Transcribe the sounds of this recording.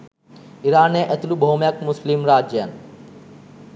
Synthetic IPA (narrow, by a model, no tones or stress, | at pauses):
iɾaːnẽːʔɐt̪lubʱoːmjəkmʊslɪmɾaːd͡ʒəən